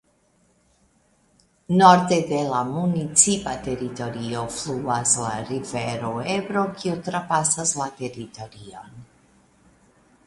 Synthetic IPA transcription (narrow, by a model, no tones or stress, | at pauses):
no̞ɾde̞de̞lamunit͡sipate̞ɾito̞ɾio̞fluasla̰ɾive̞ɾo̞e̞bɾo̞kʰiutɾapasaslate̞ɾito̞ɾio̞̰n